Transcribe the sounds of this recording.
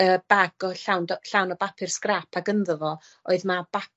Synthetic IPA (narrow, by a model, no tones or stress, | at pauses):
əːb̥aɡɔɬawndɔɬawnɔbapʰɪr̥skrapʰaɡənðəvɔ | oɨðmab̥ap